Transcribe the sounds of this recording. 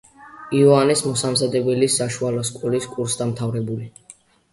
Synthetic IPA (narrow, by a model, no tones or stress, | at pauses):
iɔanismɔsamzad̪ɛbɛlisaʃualɔskʼuliskʼuɾsd̪amt̪ʰavɾɛbuli